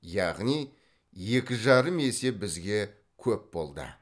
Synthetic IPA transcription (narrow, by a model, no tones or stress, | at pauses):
jɑʁnij | je̞kʲɪʒɑɾəme̞se̞bɪzɡʲe̞ | kʲʰɵp̚bo̞̰lˠd̪ə̰